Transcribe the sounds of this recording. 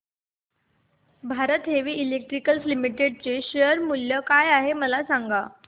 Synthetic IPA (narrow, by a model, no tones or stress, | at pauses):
bʱaɾət̪ɦeʋiːʔilek̚ʈɾikəlslimiʈeɖ̚t͡seɕeəɾmuljəkajaɦeməlasaŋɡa